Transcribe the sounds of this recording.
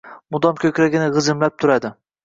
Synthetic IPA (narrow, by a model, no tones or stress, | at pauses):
mʊd̪ɒmkʲʰɵkʲɾaɡʲɪnɪʁɨzɪmlap̚t̪ʰʊɾad̪ɪ